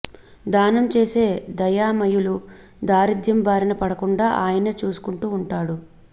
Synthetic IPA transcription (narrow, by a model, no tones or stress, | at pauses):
d̪aːnɐmt͡ʃe̞ːse̞ːd̪ɐjaːmɐjulu | d̪aːɾid̪jɐmbaːɾɐnɐpɐɽɐkuɳɖaːʔaːjɐnɐt͡ʃuːsu̥kuɳʈuːɳʈaːɽu